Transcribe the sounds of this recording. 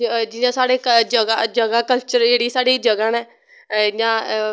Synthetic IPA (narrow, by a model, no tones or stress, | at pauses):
d͡ʒɪjãːsaːɽeːd͡ʒəɡad͡ʒəɡaːkəlt͡ʃəɾd͡ʒeːɽiːsaːɽiːd͡ʒəɡãːnɛː | jãː